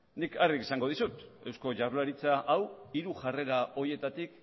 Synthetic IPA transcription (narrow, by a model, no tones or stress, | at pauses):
nikarikesaŋɡo̞ð̞isut̪e̞wsko̞ʝaɾlaɾit͡saʔawiɾuʝare̞ɾao̞ɾje̞t̪at̪ik̚